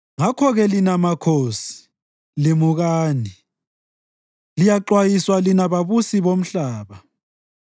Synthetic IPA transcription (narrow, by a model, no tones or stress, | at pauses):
ŋakʰɔɣɛlinamakʰoːsi̥ | limuɣaːni | lijaǃwajiswalinaβaβusiβom̩ɬaːβa